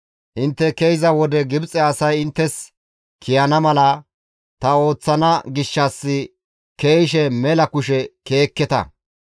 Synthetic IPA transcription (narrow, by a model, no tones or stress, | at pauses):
ʔɪnt̪ːɛkejɪzɐwɔd̪ɛɡɪbt͡sʼɛɐsɐjɪnt̪ːɛs | kʰɪjɐnɐmɐlɐ | t̪ɐo̞ːt͡sːɐnɐɡɪʃːɐsːɪ | keɪʃɛmɛlɐkʊʃ̬ɛke̞ːkːɛt̪ɐ̰